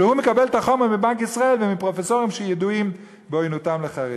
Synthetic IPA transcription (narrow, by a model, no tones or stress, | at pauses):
ehumekabe̞lt̪aχo̞meʁmibankisʁae̞lvemipʁo̞feso̞ʁimʃejeduim | beojnotamleχaʁḭ